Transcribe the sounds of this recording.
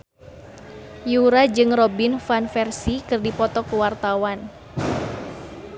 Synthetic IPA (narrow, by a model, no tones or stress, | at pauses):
juɾad͡ʒɨŋrɔbinfanfɛrsikɨrdipɔt̪ɔkəwart̪awan